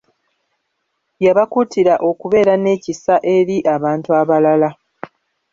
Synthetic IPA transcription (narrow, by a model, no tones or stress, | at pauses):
jaβakutiɾaʔo̞kuβe̞ːɾane̞ːcisaʔe̞ɾiʔaβaːntuaβalala